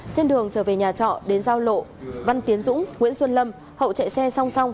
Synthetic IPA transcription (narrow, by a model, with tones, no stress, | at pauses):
t͡ɕe˧nɗɨ˨˩əŋt͡ɕəː˧˩ve˨˩ɲaː˨˩t͡ɕɔ̰˧˨ɗe˨˦nzaː˧wlo̰˧˨va˧nt̪i˨˦ənzʊ̰˧˥ŋ͡mŋwḭ˧˥ənswə˧nlə˧m | hə̰˧˨wt͡ɕɛ̰˧˨jsɛ˧sa˧wŋ͡msa˧wŋ͡m